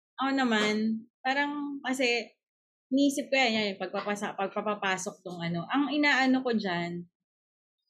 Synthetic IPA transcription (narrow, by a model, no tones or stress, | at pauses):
ʔɐʔonɐmanpaːɾɐŋkɐsɛ | nʔiːsɪp̚kojajanpɐɡ̚pɐpɐsɐpɐɡ̚pɐpapaːsok̚t̪ʊŋʔɐno̞ʔɐŋʔɪnaːʔɐnoko̞d͡ʒan